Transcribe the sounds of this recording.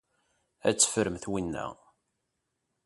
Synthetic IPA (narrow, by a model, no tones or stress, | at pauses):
æ̰t͡sːfəɾəmθwinːæ̰